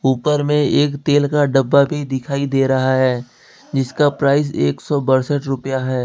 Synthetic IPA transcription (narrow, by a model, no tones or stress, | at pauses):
uːpəɾmẽeːkt̪eːlkaɖəbːabʱid̪ɪkʰaːid̪eːɾɐɦaɦɛː | d͡ʒɪskapɾaːɪs̬eːksɔbɐɾsəʈɾʊpjaɦɛː